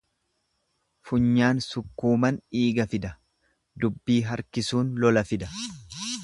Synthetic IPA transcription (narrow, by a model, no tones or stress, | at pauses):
fʊɲːaːnsʊkːuːmɐniːɡɐfɪd̪ɐ | d̪ʊbːiːɦɐɾkɪsuːnlɔlɐfɪd̪ɐ̥